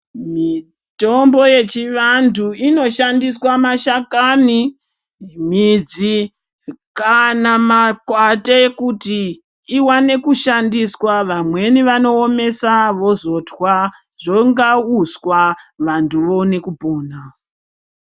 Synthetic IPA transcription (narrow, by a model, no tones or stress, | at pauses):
mi | to̞mbo̞je̞t͡ʃiʋandʰuino̞ʃandiswamaʃakani | m̤id͡zi | kanamakwatekutiː | wane̞kuʃandiswaʋamwe̞niʋano̞ːme̞saʋo̞zo̞tʰwa | ʐoŋɡauswaʋantʰuʋo̞ne̞kupo̞ːna